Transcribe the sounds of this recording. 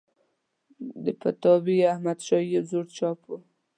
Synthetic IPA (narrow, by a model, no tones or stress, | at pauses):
d̪əpat̪ɑbiahmad̪ʃɑjebzoɽt͡ʃɑpo